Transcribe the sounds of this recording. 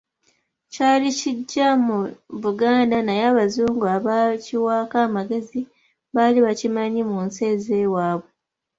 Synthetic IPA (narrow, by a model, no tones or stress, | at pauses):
caːliciɟːamuβuɡaːndanajaːβazuːŋɡuaβaciwaːkaːmaɡe̞zi | βaliβacimaɲimunse̞ːze̞ːwaːβwe